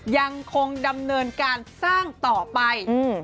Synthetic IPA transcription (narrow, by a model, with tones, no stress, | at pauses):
ja˧ŋkʰo˧ŋda˧mnɤː˧nkaː˧nsaː˥˩ŋt̪ɔː˨˩pa˧j